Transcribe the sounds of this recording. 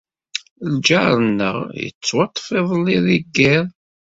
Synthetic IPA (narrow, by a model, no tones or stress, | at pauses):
ld͡ʒaɾˤənːə̰ʁjə̰t͡sːwɑt̪ˤːfɪðˤlːiðiɡːɪɾˤ